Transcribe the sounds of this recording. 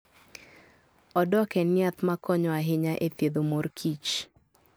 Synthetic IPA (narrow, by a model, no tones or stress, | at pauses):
ɔdɔkɛnɪat̪makʰɔɲɔaɦɪɲaʔet̪jed̪omorkʰit͡ʃ